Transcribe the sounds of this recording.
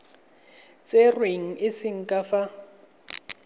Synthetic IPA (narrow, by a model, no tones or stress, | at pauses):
t͡sʼerweŋ̩ɪsɪŋ̩kʼafa